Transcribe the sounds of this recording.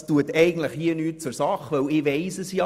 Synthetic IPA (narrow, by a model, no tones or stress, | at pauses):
stuətɛɪɡn̩tləχhiənyːt̚t͡sʊɾsɑχʋœwɪːʋɛɪsəsjɑ